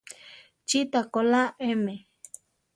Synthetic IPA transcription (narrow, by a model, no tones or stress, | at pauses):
t͡ʃit̪akolaʔeme